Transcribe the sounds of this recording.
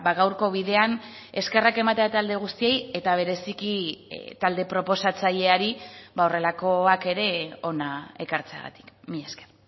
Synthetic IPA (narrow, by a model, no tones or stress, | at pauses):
baɣawɾko̞βiðe̞an | e̞ske̞rake̞mat̪e̞at̪eald̪eɣ̞ust̪ieje̞t̪aβ̞e̞ɾe̞sikit̪ald̪e̞pɾo̞po̞sat͡saʎe̞aɾibaore̞lako̞ake̞ɾe̞o̞nae̞kaɾt͡sea̰ɣa̰t̪i̥kmiesker